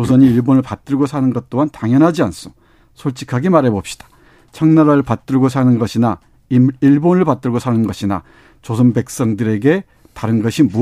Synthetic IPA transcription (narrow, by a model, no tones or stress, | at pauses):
t͡ɕosʰʌɲiːɭbonɯɭpat͈ɯɭɡosʰanɯnɡʌt̚t͈oɦantaŋjʌnɦad͡ʑians͈o̥ | sʰoɭt͡ɕ͈ʰi̥kʰaɡemaɾɦe̞bop̚ɕ͈i̥d̥ḁ | t͡ɕʰʌŋnaɾaɯɭpat̚t͈ɯɭɡosʰanɯnɡʌɕʰina | iɭbonɯɭpat͈ɯɭɡosʰanɯnɡʌɕʰina̰ | t͡ɕosʰʌnbe̞k̚s͈ʌŋdɯɾe̞ɡe̞ | taɾɯnɡʌɕʰimu